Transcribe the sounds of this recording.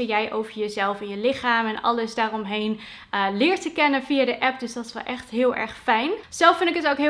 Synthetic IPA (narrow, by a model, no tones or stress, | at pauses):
əjɛjʔowvəɹjəzɛlˠfɪnjəlɪχaːmɛnɑ̰lˠəsdaːrɔmɦejn | lɪːɹtəkɛnənvijadəʔɛp̚dɵsdɑtɪ̥sʋɛlˠʔɛχtɦɪːlˠʔɛ̰ɹχfɛjnz̥ɛlˠfɪndɪkətowkɦ